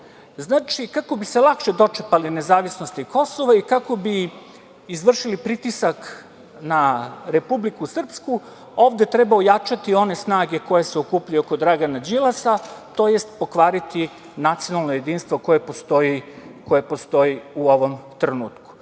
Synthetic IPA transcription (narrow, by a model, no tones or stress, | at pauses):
znaːt͡ʃikako̞bise̞lˠakʃe̞d̪o̞t͡ʃepaline̞zaːʋisnost̪iko̞so̞ʋaikako̞bi | izʋr̩ʃilipɾit̪isak | naɾe̞publikusr̩psku | o̞ːʋd̪e̞t̪ɾebaojat͡ʃat̪io̞ne̞snaːɡe̞ko̞je̞seokuːplujokod̪ɾaɡanad͡ʑilˠasat̪o̞je̞st̪po̞kʋaːɾit̪i | nat̪sijo̞nalˠnoje̞d̪iːnst̪vo̞ko̞jepost̪oiko̞jepo̞st̪o̞iuo̞ʋo̞mt̪ɾenuːt̪ku̥